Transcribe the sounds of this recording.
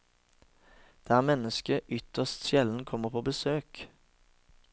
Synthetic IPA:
d̪̥eæːæːʁmɛnəskəʔʏt̪əʁst̪ʃjɛln̩kʰɔməpʰoːbəsøːk

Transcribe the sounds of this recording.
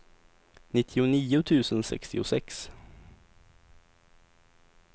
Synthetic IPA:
nɪt̪ʰːɪʊniːʊt̪ʰʉ̟ːsənsɛ̰kst̪ɪʊsɛks

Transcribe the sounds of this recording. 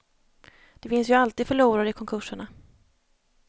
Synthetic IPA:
d̪̥ɛfɪnsjɵalt̪iːd̪fœɭuːɾaɾəɪkʰɔŋkʰɵʂəɳa

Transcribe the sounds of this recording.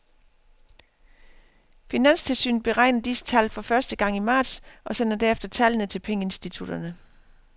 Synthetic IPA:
finæn̰st͡sʰe̝lsy̰ːn̩b̥e̝ʁɑ̈ɪnɐd̥isə̥t͡sʰæl̰fɒ̽fɶɐsd̥əɡ̥ɑ̈ŋ̰imɑ̈ːd̥sʔɒ̽sen̰ɐd̥æɐefd̥ɐt͡sʰælənət͡sʰe̝lpʰeŋəe̝nsd̥it͡sʰud̥ɐnə

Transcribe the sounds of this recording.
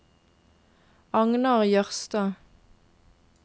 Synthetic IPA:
ɑŋnɑʁjœʁst̪ɑː

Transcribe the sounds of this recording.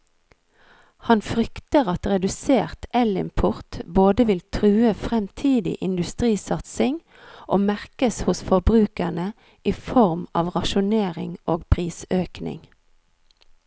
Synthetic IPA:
hɑnfʁʏkt̪əʁɑt̪ʁɛd̪ʉseːʁt̪ɛlɪ̰mpʰʊʁt̪boːd̪əʋɪlt̪ʰʁʉːəfʁɛmt̪ʰiːd̪ɪ̰ʔɪnd̪ʉst̪ʁiːsɑt̪sɪŋ | ʔoːmæʁkəshʊsfɔbʁʉːkəɳə | ʔiːfɔʁmɑ̰ːʋʁɑʃʊneːʁɪ̰ŋʔoːɡpʰʁiːsøːknɪ̰ŋ

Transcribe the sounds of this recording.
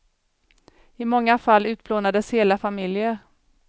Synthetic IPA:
ɪmɔŋːafalːʉ̟ːt̪̚bloːnad̪əsheːlafamɪljəɾ

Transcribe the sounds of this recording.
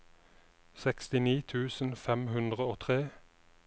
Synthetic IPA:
sɛkst̪ɪniːt̪ʰʉːsn̩fɛmhʉnd̪ʁəoːt̪ʰʁeː

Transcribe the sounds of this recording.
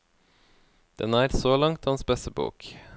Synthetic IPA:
d̪̥ɛnæːɾsoːlɑŋt̪hɑnsbɛsəbṵːk

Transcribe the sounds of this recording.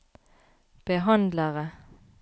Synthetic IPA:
b̥əɦɑnd̪ləʁə

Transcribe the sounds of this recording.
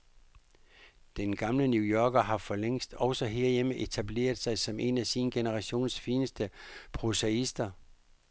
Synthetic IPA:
d̥enɡ̥ɑ̈mlənjuːjɒːɡ̥ɐɦɑ̈fɒleŋ̰sd̥ɒ̽ʊsɒɦeːɐjeməʔe̝t͡sʰæble̝̰ːɐð̞̩ˠsɑ̈ɪsɒ̽mʔe̝næsinɡ̥enəʁɑ̈ɕo̝̰ːnsfiːnəsd̥əpʰʁoseisd̥ɐ

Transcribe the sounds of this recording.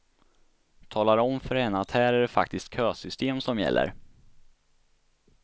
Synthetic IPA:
t̪ʰɑːlaɾɔmfœɾhɛnːəat̪hæːɾæɖɛfa̰kt̪ɪst̪̚kʰøːsʏst̪eːmsɔmjɛ̰lːə̰ɾ

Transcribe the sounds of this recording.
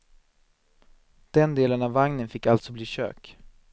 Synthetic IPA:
d̪̥ɛnd̪eːlənavːaŋnənfɪkːalt̪sɔbliːɕø̰ːk

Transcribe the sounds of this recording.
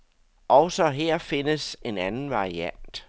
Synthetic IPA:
ʔɒʊsɒ̽ɦeɐ̰fe̝nəse̝nænn̩ʋɑ̈ʁiæn̰d̥

